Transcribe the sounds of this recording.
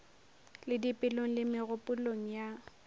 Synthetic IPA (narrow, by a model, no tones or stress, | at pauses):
lɪdipʼɪloŋ̩lɪmɪɣʊpʼʊloŋ̩ja